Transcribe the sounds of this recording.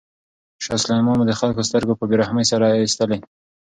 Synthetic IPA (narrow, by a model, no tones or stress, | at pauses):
ʃɑslɑmɑmad̪əxalkost̪əɾɡopəbeɾahməjsaɾaist̪əle